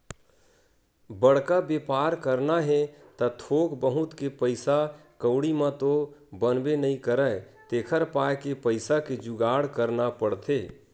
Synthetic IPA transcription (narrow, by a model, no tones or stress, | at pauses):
bəɽ̤kabepaːɾkəɾnaɦɛt̪ɐt̪ʰoːkbəɦʊt̪kepəɪsakəʊɽimãt̪obənbenəɦĩkəɾət̪eːkʰəɾpaːjkepəɪsaked͡ʒʊɡaːɽkəɾnapəɽt̪ʰeː